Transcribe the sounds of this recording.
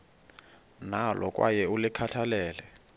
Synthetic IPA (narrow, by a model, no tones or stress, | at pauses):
nalʔɔkʼwa̰jɛulɪkʰatʰalɛːlɛ